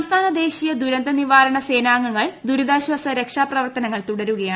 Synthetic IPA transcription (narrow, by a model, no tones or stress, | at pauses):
mst̪ʰaːnɐd̪e̞ːɕijɐd̪uɾɐnd̪ɐniʋaːɾɐɳɐse̞ːnaːŋːɐŋːɐɭd̪uɾud̪aːɕʋɐsɐɾe̞kʂaːprɐʋɐrt̪ɐnɐŋːɐɭt̪uɽɐɾuɣɐjaː